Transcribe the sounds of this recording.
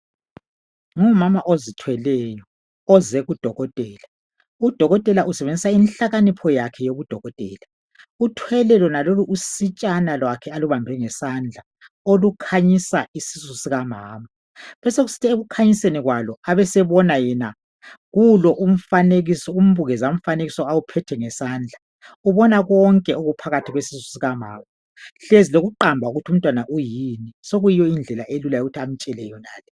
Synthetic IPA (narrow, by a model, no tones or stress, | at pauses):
ŋumamaʔozitʰwɛlɛjɔ | ɔzɛɣud̥ʱɔɣɔtʼɛːla | ud̥ʱɔɣɔtʼɛlaʔusɛβend͡zʱisainɬaɣanipʰɔjakʰɛjoβud̥ʱɔɣɔtʼɛːla | utʰwɛlɛlɔnaloluʔusit͡ʃʼanalwakʰɛaluβambʱɛŋɛsand͡ɮʱa | olukʰaɲisaisisusiɣamaːma | βɛseɣusi̥tʰieɣukʰaɲiseniɣwalɔaβɛsɛβɔnajɛna | ɣulɔʔum̩faneɣisɔum̩βuɣɛzaum̩faneɣisɔawupʰɛtʰɛŋɛsaːnd͡ɮʱa | uβɔnaɣɔŋkʼɛoɣupʰaɣatʰiɣwesisu̥siɣama̰ːma | ɬeziloɣuǃambʱauɣutʰium̩tʼwanaʔujinisoɣujijɔind͡ɮʱɛlaʔelulajoɣutʰiam̩t͡ʃʼɛlɛjɔnaːlɛ